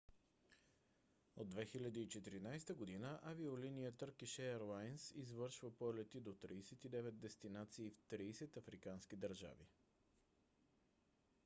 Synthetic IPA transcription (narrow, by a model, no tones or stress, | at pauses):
od̪ːvɛxilʲɐd̪iːt͡ʃɛt̪iɾinajst̪əɡod̪inəʔaviolinijət̪əɾkiʃɛɛɾlˠajnsizvɤɾʃvəpɔlɛt̪id̪ot̪ɾiːsɛt̪id̪ɛvɛd̪̚d̪ɛst̪inat̪siːft̪ɾiːsɛt̪ɐfɾikanskid̪əɾʒa̰vi